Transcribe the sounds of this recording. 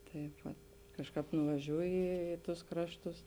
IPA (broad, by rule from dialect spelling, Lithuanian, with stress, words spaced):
ˈtɐɪp ʋɐt ˈkɑːʃˌkɑːp nʊʋɐˈʒʲuːjɪ ˈiː iː ˌtʊs ˈkrɑːʃˌtʊs